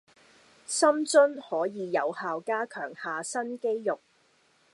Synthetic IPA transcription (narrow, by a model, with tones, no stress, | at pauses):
sɐ˥mt͡sɵ˥nhɔː˨˥jiː˨˧jɐ˨˧whaː˨wkaː˥kʰœː˨˩ŋhaː˨sɐ˥nke˥jjʊ˨˩k̚